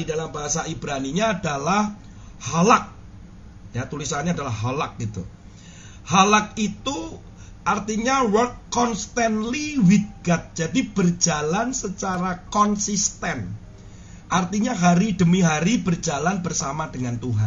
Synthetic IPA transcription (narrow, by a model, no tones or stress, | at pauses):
didalambaɦasaibɾaniɲaːdalah | halak̚ | jat̪ulisanɲaːdalahɦalak̚ɡ̥it̪ṵ | halak̚it̪u | ʔart̪iɲawərkːɔnst̪anliwiɡat̪̚d͡ʒadibərd͡ʒalansət͡ʃaɾakɔnsist̪ɛn | ʔart̪iɲaɦaɾidəmiɦaɾibərd͡ʒalanbərsamadəŋant̪uɦa̰n